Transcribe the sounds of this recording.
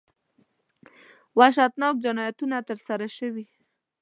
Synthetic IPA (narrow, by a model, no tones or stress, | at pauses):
waʃ̬at̪nɑk̚d͡ʒanɑjat̪unat̪əɾsaɾaʃəwi